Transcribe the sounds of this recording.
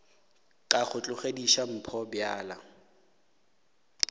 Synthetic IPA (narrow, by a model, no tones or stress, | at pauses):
kʼaχʊt͡ɬʼʊχediʃam̩pʰɔbjaːla